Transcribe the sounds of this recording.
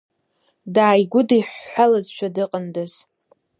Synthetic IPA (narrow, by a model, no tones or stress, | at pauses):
daːjɡʷʊdiħːʷalazʃʷᶣʰadɨqʼəndɨz̥